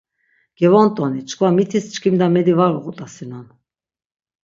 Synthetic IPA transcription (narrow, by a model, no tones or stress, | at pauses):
ɡ̥ɛvɔnt̪ʼɔnit͡ʃʰkʰvamit̪ʰist͡ʃʰkʰimd̪amɛd̪ivaɾuɣut̪ʼasinɔn